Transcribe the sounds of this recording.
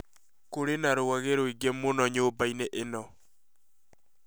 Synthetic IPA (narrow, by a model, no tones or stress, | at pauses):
koɾenaɾoaɣeɾoiɡemonɔɲobaineʔenɔ